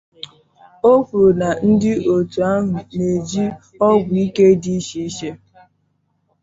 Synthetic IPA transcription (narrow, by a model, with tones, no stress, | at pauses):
o˦fu˨na˨n̩˦dɪ˦ʔo˨tu˨a˦ɦʊ˨ne˨d͡ʒi˦ | ɔ˦ɡʷi˦ke˦di˦ʃi˦ʃe˦